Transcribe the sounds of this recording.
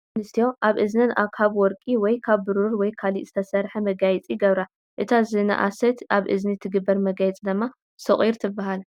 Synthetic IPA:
nɨst̪ʰijo̞ʔaβʔɨznɐnʔakʰaβwɔɾkʼiwɔjkʰaβːɨɾuɾwɔjkʰalḭʔzɨt̪ʰɐsɐɾħɐmɐɡajt͡sʼijɪɡɐβɾa | ʔɨt̪ʰazɨna̰ʔa̰sɐt̪aβʔɨznit̪ʰɨɡɨbːɐɾmɐɡajɛt͡sʼd̪ɨmːa | sɨχʼiɾt̪ʰɨbːaɦal

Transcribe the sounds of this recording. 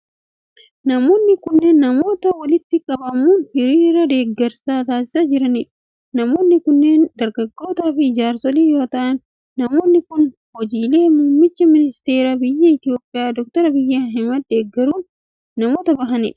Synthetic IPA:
nɐmo̞ːnːɪkʊnːeːnːɐmo̞ːt̪ɐwɐlɪt̪ːɪkʼɐbɐmuːnhɪɾiːɾɐd̪e̞ːɡːɛɾsaːt̪aːsɪ̥sɐd͡ʒɪɾɐnɪᶑɐ̥ | nɐmo̞ːnːɪkʊnːe̞ːnd̪ɐɾɡɐɡːo̞ːt̪aːfɪɪd͡ʒaːɾsɔliːjo̞ːt̪ɐʔɐnː | ɐmo̞ːnːɪkʊn | hɔd͡ʒiːle̞ːmuːmːɪt͡ʃːɐmɪnɪst̪e̞ːɾaːbɪjːɐɪt̪ɪjo̞ːpʼːɪjaːd̪ɔk̚t̪ɔɾɐbɪjːaɦɛmɐd̪̚d̪e̞ːɡːɛɾuːnː | ɐmo̞ːt̪ɐbɐɦɐnɪ̰ᶑɐ̥

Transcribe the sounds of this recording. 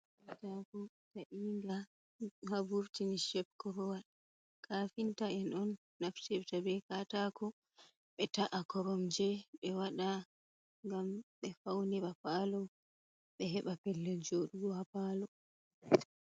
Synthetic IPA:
katakɔ | taʔiŋɡa | habuɾtiniʃɛb̚kɔɾɔwaɗ | kʰafintaɛnɔnː | aftɛftabɛkatakɔ | ɓɛtaʔakɔɾɔmd͡ʒɛɓɛwaɗa | ŋɡamɓɛfawnɛɓapalɔ | ɓɛɦɛɓapɛlːɛld͡ʒoɗuɡɔhapaːlɔ

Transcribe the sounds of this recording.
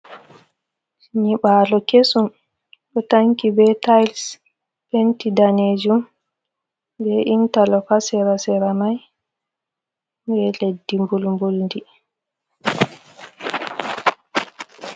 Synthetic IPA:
ɲiɓaːlɔkesum | ɗɔtaŋkibɛtajls | pentidaneːd͡ʒum | bɛʔintalɔkasɛɾasɛɾamaj | bɛledːimbulmbulndi

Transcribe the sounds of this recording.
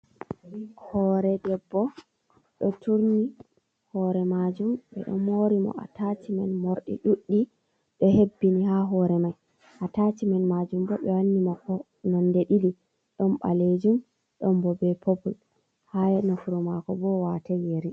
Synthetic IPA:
hɔɾɛdɛbːɔ | ɗɔtʰuɾni | hɔɾɛmad͡ʒumɓɛ̰ɗɔ̰moɾimɔ̰ʔa̰tatimanmɔɾɗḭɗuɗːi | ɗɔhebːinihaɦɔɾɛmaj | ʔatatimanmad͡ʒumbɔɓɛwanːimɔkɔ | nɔndeɗili | ɗɔmɓa̰led͡ʒum | ɗɔmbɔbɛpobul | hajɛnɔfuɾɔmakɔbɔwatɛjeɾi

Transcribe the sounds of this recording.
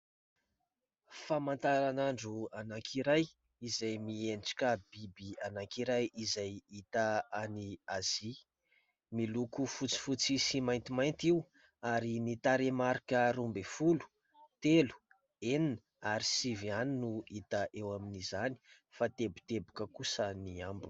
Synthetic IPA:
famant̪aɾanaɳɖ͡ʐuanakʰiɾaj | izajmienʈ͡ʂḁkabibianakiɾajizajit̪aaniaz̥i | milukufut͡si̥fut͡sisimajnt̪imajnt̪iu | aɾinit̪aɾemaɾikəɾumbefulu̥ | t̪elu̥ | eninə | aɾisivianinuit̪əʔewaminizani̥ | fat̪ebi̥t̪ebu̥kəkusəniambu

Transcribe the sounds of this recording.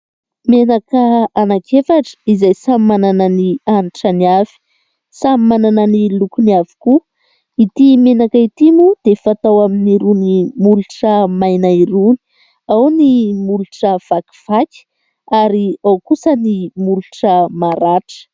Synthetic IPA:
menakəanakʰefaʈ͡ʂə̥izajsamimanananianʈ͡ʂəniavi̥ | samimanananilukuniavi̥ku | it̪imenakəit̪imud̪efat̪awaminiɾunimuluʈ͡ʂəmajnaiɾuni̥ | awnimuluʈ͡ʂəv̥aki̥v̥akʲi̥ | aɾiawkusənimuluʈ͡ʂəmaɾaʈ͡ʂə̥

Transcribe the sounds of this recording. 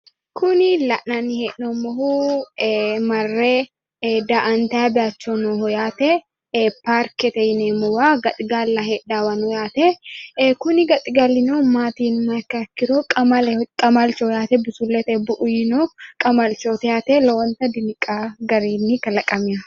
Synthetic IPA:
kʰʊnɪlɐʔnɐnɪheːʔnomːɔhu | mɐrːe | d̪ɐʔɐnt̪ɐabɪat͡ʃːonoɦɔjaːt̪ɛ | paːɾkɛt̪ɐjneːmʊwaːɡɐt̪ʼɪɡaːlːaheːᶑaːwɐnɔjaːt̪ɛkʊnɪɡɐt̪ʼɪɡalːɪnoːmaːt̪iːnmakakːɪɾoːkʼɐmakʼɐmalt͡ʃɔjaːt̪ɛbɪsulːɛt̪ɛbʊʔʊjɪnoːkʼɐmɐlt͡ʃoːt̪ɐjaːt̪ɛlɐwɐnt̪ɐd̪ɪnɪkʼaːɡɐɾiːnːɪkɐlɐkʼɐmɪɐ

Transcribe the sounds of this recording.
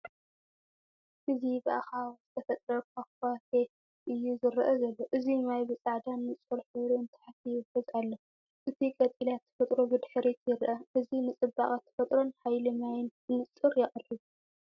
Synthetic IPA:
ʔɨzibɨʔa̰xawz̥ɨt̪ʰɐfɐt̪ʼɾɐkʰakʰafe | ʔɨjːuzɨɾʔɐzɐlːoʔɨzimajbɨt͡sʼaʕd̪anːɨt͡sʼɨɾħɨɾuɨnt̪ʰɨ̥ħat̪ʰijɨfɨzalːɐ | ʔɨt̪ʰikʼɐt̪ʼilat̪ʰːɐ̥fɐt̪ʼɾobɨd̪ħɨɾet̪ʰjɪɾʔɐʔɨzinɨt͡sʼɨbːaχʼat̪ʰːɐ̥fɐt̪ʼɾo̞nħajlɨmajnɨnɨt͡sʼɨɾjɪχʼɨri

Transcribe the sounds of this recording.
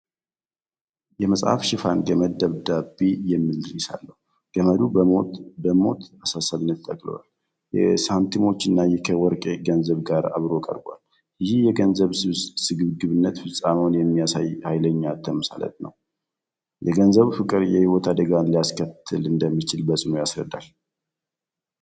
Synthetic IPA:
jɛməsʼha̰fʃɪfa̰nɡəməd̪d̪əβd̪abːijɛmːild̪ɾisa̰lːəhu | ɡ̥əməd̪uobəmo̞̰t̪asasaβɨnːət̪t̪ʼːəkʼlə̰wa̰l | jɛ̰sant̪ʰimo̞t͡ʃːɨnːajɛkʰəwɔɾkʼeɡənzəβɡaɾa̰βɾo̞kʼə̰ɾba̰l | jɪhijɛɡənzəβɨsɨɡɨβɡɨβɨnːət̪fɨsʼamonjɛmːijasajhajləɲːat̪ʰːəməsa̰lə̰t̪ʼnə̰w | jɛɡənzəβufɨkʼɨɾjɛhiwɔt̪ʰad̪əɡanlijaskʰət̪ʰːɨlɨnd̪əmːit͡ʃɪlbəsʼɨnojasɾəd̪ːa̰l

